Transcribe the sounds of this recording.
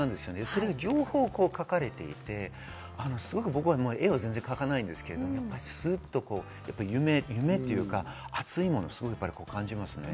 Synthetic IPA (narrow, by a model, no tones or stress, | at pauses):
ãnd̪e̞sɨjo̞neso̞ɾe̞ɡaɡʲo̞ːho̞ːko̞ːkakaɾe̞t̪e̞ḭt̪e̞ | ano̞sɨɡo̞kɯ̟bo̞kɯ̟βamoːe̞azẽ̞nze̞ŋkakanaĩnd̪e̞sɨ̥ke̞ɾed̪omojapːaɾʲisɨt̪ːo̞ko̞ː | japːaijɯ̟me̞jɯ̟me̞t̪ːojɯ̟ːkaat͡sɨimo̞nosɨ̥ɡo̞kɯ̟japːaɾiko̞ːkãɲ̟d͡ʑimasɨne̞̰